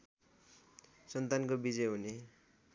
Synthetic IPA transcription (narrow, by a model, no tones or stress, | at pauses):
sʌnt̪ankobid͡zʌjɦune